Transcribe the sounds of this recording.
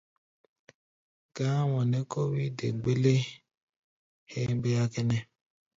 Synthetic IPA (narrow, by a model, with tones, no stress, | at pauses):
ɡ̥a˦wɔ˨ne˦ko˦wi˦dḛ˨ɡ͡be˦le˦ | he˦be˦ja˦ke˦nɛ˦